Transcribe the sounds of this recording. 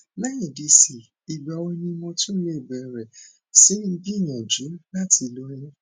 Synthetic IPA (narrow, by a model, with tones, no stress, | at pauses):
la˦jɛ˨di˧si˨ | i˨ba˨˦wɔ˧˦˧nĩ˧mɔ̃˧tũ˦le˦˨bɛ˨ɾɛ˨ | si˨˦ĩ˦˧˦bi˦i˦˨j̃ɛ̃˨d͡ʒu˨˦la˦tʰi˧lo˧˦ɾĩ˦